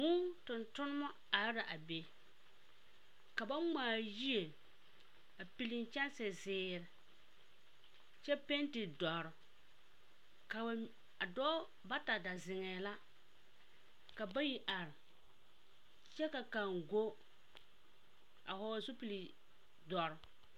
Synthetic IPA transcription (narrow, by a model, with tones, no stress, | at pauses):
mʊ˦tʊ˨ntʊ˦nʊ˦ma˦ | a˨ɾɾa˨ʔa˨be˨ | ka˨ba˦ŋ͡maː˨ji˦e˨ | a˨pi˨lɪ˨nt͡ʃɛ˦n˦sɪ˨zɪː˨˦ɾɪ˨ | t͡ʃɛ˦pe˦ntɪ˨dɔ˨ɾʊ˨ | ka˨˦ | a˨dɔː˦ | ba˦ta˨da˨zɪ˨ŋɛː˨la˦ | ka˨ba˦ji˦ʔa˨ɾɪ˨ | t͡ʃɛ˦ka˨ka˨ŋɡo˦ | a˨hɔ˨zʊ˦pi˨li˨ | dɔ˨ɾʊ˨